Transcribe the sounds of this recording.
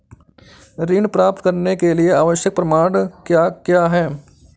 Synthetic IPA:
ɾiːɳpɾaːp̚t̪kɐɾnekelieaːʋəʃjək̚pɾɐmaːɳkjaːkjaːɦɛː

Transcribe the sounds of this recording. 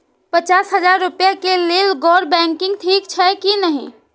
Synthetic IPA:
pət͡ʃasɦəd͡ʒaɾːupjakelelɡɔɽbɛŋkɪ̃ŋɡt̪ʰiːkt͡ʃʰɛkinəɦḭ

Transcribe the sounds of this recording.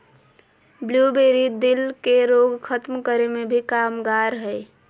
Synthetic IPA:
bljubeɾid̪ɪlkeɾoɡkʰət̪mkəɾemebʱikamɡaɾɦəj

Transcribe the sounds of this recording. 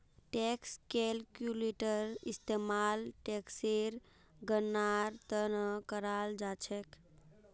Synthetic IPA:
ʈekskelkjuleʈəɾist̪emalʈekseɾ | ɡənːaɾt̪ənəkəɾald͡ʒat͡ʃʰɛk

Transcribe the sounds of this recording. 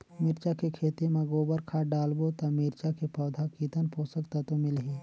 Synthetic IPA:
mɪɾt͡ʃakekʰeːt̪imãɡoːbəɾkʰaɖaːlbot̪amiɾt͡ʃakepɔːd̪ʱakiːt̪ənpoːsəkt̪at̪omɪlɦiː

